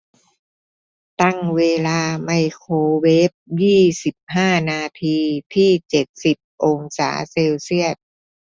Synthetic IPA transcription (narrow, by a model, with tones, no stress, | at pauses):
t̪a˥˩ŋweː˧laː˧ma˧jkʰoː˧we˦˥p̚jiː˥˩si˨˩p̚haː˥˩naː˧t̪ʰiː˧t̪ʰiː˥˩t͡ɕe˨˩t̪̚si˨˩p̚ʔo˧ŋsa̰ː˩˦seː˧wsi˥˩ət̪̚